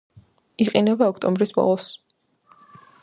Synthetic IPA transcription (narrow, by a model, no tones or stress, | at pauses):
iqʼinɛbaɔkʰt̪ʼɔmbɾisbɔ̰lˠɔs